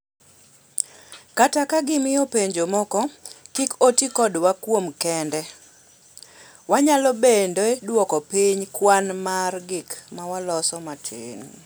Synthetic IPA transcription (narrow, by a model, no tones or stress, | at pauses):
katakaɡɪmɪjɔpeɲd͡ʒomɔkɔkikotikɔdwakwomkɛndɛ | waɲalɔbendoɛdwɔkɔpiɲkwanmarɡɪkmawalɔsɔmatʰɪ̰n